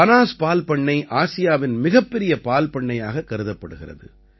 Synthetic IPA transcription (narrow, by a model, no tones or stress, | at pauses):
ɐnaːspaːlpɐɳːɐɪʔaːsɪjaːʋɪnmɪɣɐpːɛɾɪjɐpaːlpɐɳːɐjaːɣɐkːɐɾɯðɐpːɐɽɯɣɪrɐ̰ðɯ̰